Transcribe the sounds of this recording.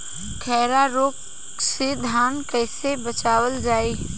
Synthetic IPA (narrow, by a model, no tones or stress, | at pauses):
kʰɛːɾaɾoːk | sed̪ʱaːnkɛɪsebət͡ʃaːʋəld͡ʒaːeː